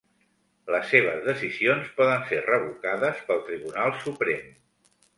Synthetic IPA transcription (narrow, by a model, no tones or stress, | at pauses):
ləsːeβ̞əzðəsizionspɔðənserəβukaðəspəlˠt̪ɾiβunalˠsupɾem